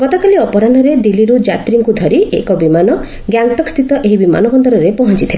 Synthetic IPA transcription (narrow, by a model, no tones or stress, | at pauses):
ɡɔt̪ɔkaliɔpɔɾanɔɾed̪iliɾud͡ʒat̪ɾiŋkud̪ʱɔɾiʔekɔbimanɔ | ɡjaŋɡʈɔkst̪ʰit̪ɔʔeɦibima̰nɔbɔnd̪ɔɾɔɾepɔɦɔnt͡ʃit̪ʰile